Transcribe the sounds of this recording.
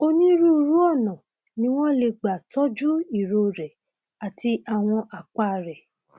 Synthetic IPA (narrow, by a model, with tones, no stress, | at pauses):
o˧nĩ˦ɾu˦˧ɾu˦ɔ˦˨nã˨ | nĩ˦w̃ɔ̃˦le˧ɡ͡ba˨tɔ˦d͡ʒu˦i˦˨ɾo˧ɾɛ˨ | a˨ti˧a˨w̃ɔ̃˧ʔa˨k͡pa˦˨ɾɛ˨